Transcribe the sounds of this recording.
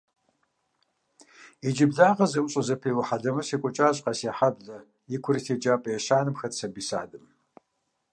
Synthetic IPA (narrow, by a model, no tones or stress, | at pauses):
id͡ʒɪbɮaːʁɐzɐwʊɕʼɐzɐpʰiːwʊħadɐmɨseːkʷʼɔt͡ʃʼaːɕʼqɐseħabɮɐ | jɪkʷʰʊɾitʰeːd͡ʒaːpʼɐjɛɕaːnɨmxɐtsɐbiːsa̰ːdɨm